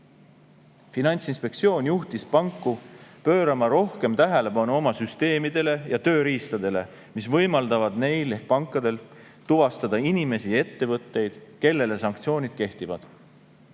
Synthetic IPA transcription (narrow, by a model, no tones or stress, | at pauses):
finɑnʲt̪sinspe̞k̚t̪sio̞ːnʲjuht̪ispɑŋkːˑupø̞ːɾɑmɑɾo̞hke̞mt̪æɦe̞le̞bɑnuo̞mɑsyst̪e̞ːmid̪̥e̞le̞jɑt̪ø̞ːɾiːst̪ɑd̪̥e̞le̞ | misvɤ̞jmɑld̪ɑvɑd̪̥ne̞jle̞hk̚pɑŋkˑːɑd̪e̞l | t̪uvɑst̪ɑd̪̥ɑinime̞sie̞t̪ːe̞vɤt̪ːe̞jd̪̥ke̞lːe̞le̞sɑŋkt̪sio̞ːnʲid̪̥̚ke̞ht̪ivɑd̪̥